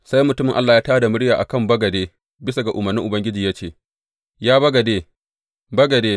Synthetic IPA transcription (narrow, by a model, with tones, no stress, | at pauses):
sa˦jmʊ˨tʊ˦mɪ˨ŋʔa˦lːaː˨jaː˦taː˦da˨mʊ˦ɽjaː˨ʔa̰˨kɐ˦˨mbɐ˦ɡɐ˨deː˦ | bɪ˦sa˨ɡa˨ʔʊ˨mɐ˨rnːɪ˦ŋʔʊ˨bɐ˦ŋɡʲɪ˦d͡ʒiː˨ja˦t͡ʃeː˦˨ | jaː˦bɐ˦ɡɐ˨deː˦ | bɐ˦ɡɐ˨deː˦